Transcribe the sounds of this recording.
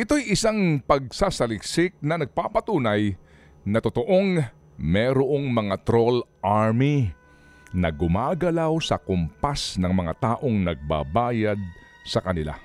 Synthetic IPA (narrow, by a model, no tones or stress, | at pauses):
ʔɪt̪o̞jʔɪsaŋpɐɡ̚sasɐlɪksɪk̚nɐnɐɡ̚papɐt̪uːnɐj | nɐt̪ot̪o̞ʔo̞ŋ | mɛɾoʔo̞ŋmɐŋat̪ɾo̞lʔaɹmi | nɐ̰ɡʊmaːɡɐlawsɐkʊmpasnɐŋmɐŋat̪aːʔo̞ŋnɐɡ̚ba̰baːjɐd̪̚ | sɐkɐnɪla̰